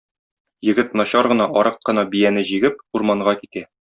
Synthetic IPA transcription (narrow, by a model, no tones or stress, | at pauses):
jɘ̆ɡɘt̪nɒɕɑɾʁɤ̆nɑʔɒɾɤqːɤ̆nɑbijænɘʑiɡɘp̚uɾmɑɴɢɑkit̪æ